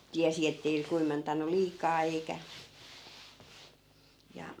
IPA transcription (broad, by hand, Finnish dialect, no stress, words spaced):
tiæsi etːei kuːmentɑnˑul liːkɑː eikæ jɑ